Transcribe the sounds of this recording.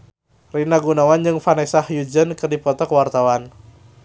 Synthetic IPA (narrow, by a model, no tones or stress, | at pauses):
rinaɡunawand͡ʒɨŋfanɛsahjud͡ʒənkɨrdipɔt̪ɔkwart̪awan